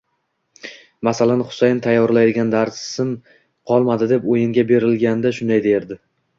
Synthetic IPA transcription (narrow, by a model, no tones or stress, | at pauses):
masalanχʊ̥sajɪnt̪ʰajːɒɾlajd̪ɪɡʲand̪aɾssɪn | qʰɒlˠmad̪ɪd̪e̞pojɪŋɡʲabe̞ɾɪlɡʲand̪aʃʊnd̪ajd̪eɾd̪ɪ